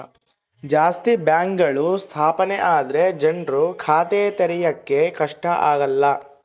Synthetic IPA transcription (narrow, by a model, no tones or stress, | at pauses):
d͡ʒaːst̪ibjaːŋkɡɐɭust̪ʰaːpɐneʔaːd̪ɐɾe̞d͡ʒɐɳɖɾukʰaːt̪eːt̪ɐɾɛjɐkːe̞kɐʂʈɐʔaːɡɐlːɐ